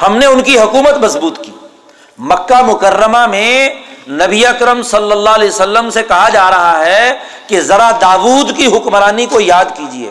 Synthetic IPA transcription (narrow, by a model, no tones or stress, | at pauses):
hɐmneʊnkiɦʊkuːmət̪mɐsbuːt̪kiː | mɐkːamʊkərːəmamẽnɐbiɐkɾəmsɐlːəlːalejsəlːəmsekɐɦad͡ʒaːɾɐɦaɦɛkezɐɾad̪aːʋuːd̪kiɦʊkmɾaːnikojaːd̪kiːd͡ʒiḛː